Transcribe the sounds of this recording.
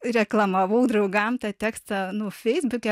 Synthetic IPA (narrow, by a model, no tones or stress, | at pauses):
rʲɛklˠɐmɐʋɐʊd̪ɾɐʊɡɐmt̪ɑːt̪ʲæːkst̪ɐnʊfʲɛɪzbʊkʲɛ